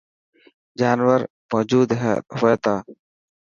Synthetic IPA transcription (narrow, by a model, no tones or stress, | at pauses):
d͡ʒaːnwəɾ | mɔːd͡ʒuːd̪ɦɦoeːt̪aː